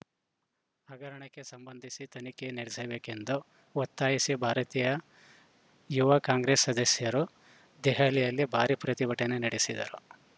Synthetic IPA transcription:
aːɡɐɾɐɳɐkːe̞sɐmbɐnd̪ʱisit̪ɐnikeneɾsɐbeːkend̪u | ʋɐt̪ːaːjisibʱaːɾɐt̪iːjɐ | juʋɐkaːŋɡɾeːsːɐd̪ɐsjɐɾu | d̪ɛɦaːlijɐlːibʱaːɾipɾɐt̪ibɐʈenenɐɽesid̪ɐ̰ɾṵ

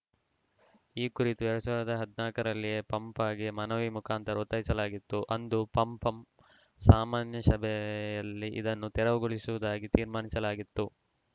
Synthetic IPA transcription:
iːkuɾit̪uɛɭɐsɐːɾɐd̪ɐɦɐd̪naːkɐɾɐlːijeːpɐmpaːɡimɐnɐʋimukʰaːnt̪ɐɾɐut̪ːɐjisɐlaːɡit̪ːuʔɐnd̪upɐmpɐm | saːmaːnjɐʃɐbɛjɐlːiʔḭd̪ɐnːut̪ɛɾɐʋɐɡuɭisuʋud̪aːɡit̪iːɾmaːnisɐlaːɡit̪ːu

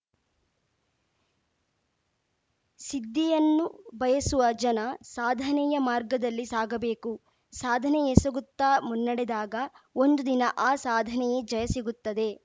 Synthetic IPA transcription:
sid̪ːɛjɐnːubɐjɐsuʋɐd͡ʒɐnɐsaːd̪ʱɐnɛjɐmaːɾɡɐd̪ɐlːisaːɡɐbe̞ːku | saːd̪ʱɐnɛjesɐɡut̪ːaːmunːɐɽed̪aːɡɐ | o̞nd̪ud̪inɐʔaːsaːd̪ʱɐnɛjed͡ʒɐjɐsiɡut̪ːɐd̪e̞

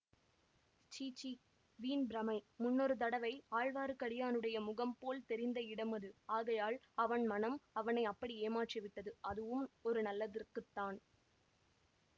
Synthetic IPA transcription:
t͡ʃiːt͡ʃːi | ʋiːnbɾɐmɐɪmʊnːɔɾɯt̪̬ɐɽɐʋɐɪaːɻʋaːɾɯkɐɽɪjaːnɯɽɐjɐmʊɣɐmpoːlt̪ɛɾɪnd̪ɐɪɽɐmɐðɯaːɣɐjaːɭ | ɐʋɐnmɐnɐmɐʋɐnɐɪɐpːɐɽieːmaːʈrɪʋɪʈːɐðɯɐðɯʋɯmɔɾɯnɐlːɐðɪrkɯt̪ːaːn

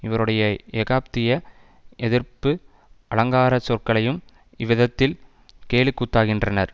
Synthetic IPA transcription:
ɪʋɐɾɯɽɐjɐɛɣaːp̚t̪ɪjɐ | ʔɛðɪɾpɯ | ʔɐɭɐŋɡaːɾɐsɔrkɐɭɐjɯm | ɪʋɪðɐt̪ːɪl | keːlɪkːuːʈ̪ːaːɣɪndrɐnɐɾ

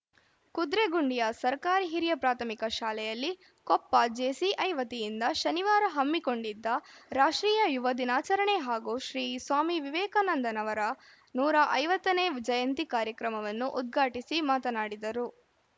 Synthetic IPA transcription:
kud̪ɾeɡuɳɖijɐsɐɾkaːɾiɦiɾjɐpɾaːt̪ʰɐmikɐʃaːlɛjɐlːi | kɔpːɐd͡ʒeːsiʔɐjʋɐt̪ijind̪ɐʃɐniʋaːɾɐɦɐmːiko̞ɳɖid̪ːɐɾaːʂʈɾiːjɐjuʋɐd̪inaːt͡ʃɐɾɐɳeɦaːɡuʃɾiːsʋaːmiʋiʋɛːkɐnɐnd̪ɐnɐʋɐɾɐ | nuːɾɐʔɐjʋɐt̪ːɐneːd͡ʒɐjɐnt̪ikaːɾjɐkɾɐmɐʋɐnːuʔud̪̚ɡʱaːʈisimaːt̪ɐnaːɽid̪ɐɾu

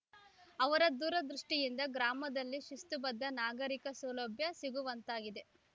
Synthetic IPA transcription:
ɐʋɐɾɐd̪uːɾɐd̪ɾuʂʈijind̪ɐɡɾaːmɐd̪ɐlːiʃust̪ubɐd̪ːɐnaːɡɐɾikɐsɐːlɐbjɐsiɡuʋɐnt̪aːɡid̪e̞

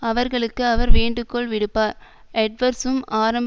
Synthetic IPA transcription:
ɐʋɐɾɣɐɭɯkːɯɐʋɐɾʋeːɳɖɯkːɔɭʋɪɽɯpːaːɾ | ɛʈ̚ʋɐɾsɯmʔaːɾɐmb

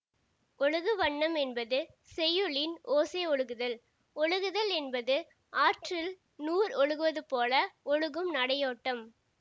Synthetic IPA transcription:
ɔɭɯɣɯʋɐɳːɐmɛnbɐðɯ | sɛjɯɭɪnoːseːɔɭɯɣɯðɐl | ɔɭɯɣɯðɐlɛnbɐðɯ | ʔaːʈrɪl | nuːɾɔɻɯɣɯʋɐðɯpoːlɐɔɻɯɣɯmnɐɽɐjoːʈːɐm

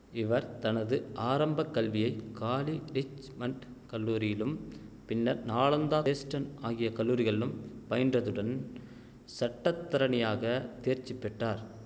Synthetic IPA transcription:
ɪʋɐɾt̪ɐnɐðɯʔaːɾɐmbɐkːɐlʋɪjɐɪkaːliɾɪt͡ʃ | mɐɳʈ | kɐlːuːɾɪjɪlɯmpɪnːɐɾnaːɭɐnd̪aːeːsʈɐnaːɣɪjɐkɐlːuːɾɪɣɐɭɪlɯmpɐjɐndrɐðɯɽɐn | sɐʈːɐt̪ːɐɾɐnɪjaːɣɐt̪eːɾt͡ʃːɪpːɛʈːaːɾ

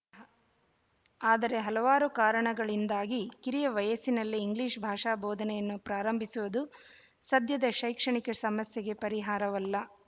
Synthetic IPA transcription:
aːd̪ɐɾe̞ɦɐlɐʋaːɾukaːɾɐɳɐɡɐɭind̪aːɡikiɾijɐʋɐjɐsinɐlːiːŋɡliːʂbʱaːʂaːbɔːd̪ʱɐnɛjɐnːupɾaːɾɐmbʱisuʋɐd̪u | sɐd̪jɐd̪ɐʃɐjkʂɐɳikɐsɐmɐsjɐɡe̞pɐɾiɦaːɾɐʋɐlːɐ

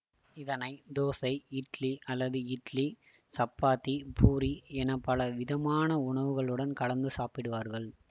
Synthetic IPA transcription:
ɪðɐnɐɪd̪oːsɐɪɪʈliʔɐlːɐðɯɪʈli | sɐpːaːt̪ːipʰuːɾiɛnɐpːɐlɐʋɪðɐmaːnɐʊɳɐʋɯɣɐɭɯɽɐnkɐɭɐnd̪ɯsaːpɪɽɯʋaːɾɣɐɭ

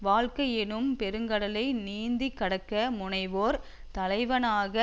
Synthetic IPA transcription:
ʋaːɻkɐjɛnɯmpɛɾɯŋɡɐɽɐlɐɪniːnd̪ikːɐɽɐkːɐmʊɳɐɪʋoːɾ | t̪ɐlɐɪʋɐnaːɣɐ

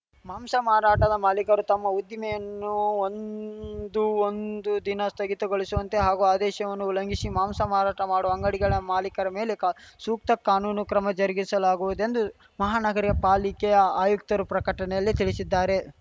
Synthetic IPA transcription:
maːmsɐmaːɾaːʈɐd̪ɐmaːlikɐɾut̪ɐmːɐud̪ːimɛjɐnːuond̪uond̪ud̪inɐst̪ʰɐɡit̪ɐɡoɭisuʋɐnt̪e̞ɦaːɡuaːd̪ɛːʃɐʋɐnːulɐŋɡisimaːmsɐmaːɾaːʈɐmaːɽuɐŋɡɐɽiɡɐɭɐmaːlikɐɾɐme̞ːle̞ksuːk̚t̪ɐkːaːnuːnukɾɐmɐd͡ʒɐɾiɡisɐlaːɡuʋud̪e̞nd̪u | mɐɦaːnɐɡɐɾiɡɐpaːlikɛjɐaːjuk̚t̪ɐɾupɾɐkɐʈɐnɛjɐlːit̪iɭisid̪ːaːɾe̞

